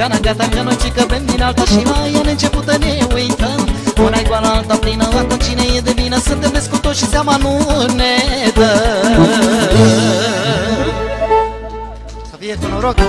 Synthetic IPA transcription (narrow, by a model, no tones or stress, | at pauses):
ɡanaɡat̪akənojt͡ʃikəbemd̪inalt̪aʃimajaneɨnt͡ʃeput̪ənewujt̪əmonajɡwanaalt̪aplinəvakont͡ʃinejed̪ebinəsɨnt̪emb̪eskot̪oʃisjamanunet̪ə | aviekunoɾok